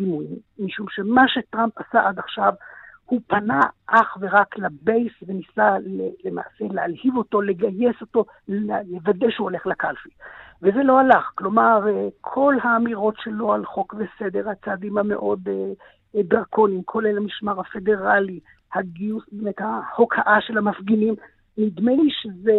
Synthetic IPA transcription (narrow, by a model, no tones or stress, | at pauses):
dimuimːiʃumʃe̞maʃe̞tʁampasaʔad̪aχʃavhupanaʔaχve̞ʁaklabe̞jsve̞nisalelema̰ːse̞lealhivo̞to̞le̞ɡaje̞so̞to̞ | levadejʃeuole̞χlakalfiveze̞lo̞alaχklo̞maʁkʰo̞lhaːmiʁo̞tʃelo̞alχo̞kvese̞d̪e̞ʁhat͡saːdimhame̞̰ʔo̞d̪e | d̪ʁakʰonimkʰo̞lelamiʃmaʁhafe̞de̞ʁali | haɡiusbemet̪haho̞kʰaʔaʃe̞lhamafɡinim | mid̪meiʃeze